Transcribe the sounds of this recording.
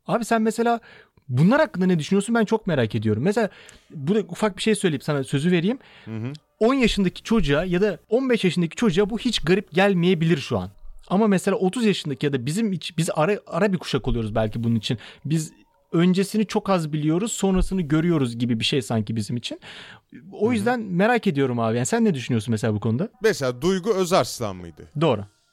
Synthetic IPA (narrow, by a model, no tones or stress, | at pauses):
aːbisænmese̞lʲaː | bunlˠaɾhakːɯnd̪anɛd̪yʃynyjo̞snbænt͡ʃʰo̞k̚me̞ɾaːcʰe̞d̪ijo̞ɾumːeselʲaːbud̪aufak̚biʃejsø̞jlʲeimsanasø̞zyve̞ɾijim | o̞njaʃɯnd̪acʰi̥t͡ʃʰo̞d͡ʒuajad̪ao̞nbɛʃjaʃɯnd̪acʰi̥t͡ʃʰo̞d͡ʒuabuhit͡ʃɡaɾip̚ɟælʲmije̞bilʲiɾʃua̰namamese̞lʲaːo̞t̪ʰuzjaʃɯnd̪acʰijad̪abizimit͡ʃʰbizaɾaaɾabikʰu̥ʃakolˠujo̞ɾuzbælʲcibununit͡ʃʰinbiz | ø̞nd͡ʒe̞sinit͡ʃʰo̞kazbilʲijo̞ɾuz̥so̞nɾasɯnɯɟø̞ɾyjo̞ɾuzɟibibiʃejsaɲcibizimit͡ʃʰin | o̞jyzd̪ænme̞ɾace̞d̪ijo̞ɾumaːvijanisænːɛd̪yʃ̬ynyjo̞sunmes̬elʲaːbukʰo̞nud̪ameselʲaːd̪ujɡuøzaɾslˠa̰nmɯ̰jd̪ɯ̰d̪o̞ːɾu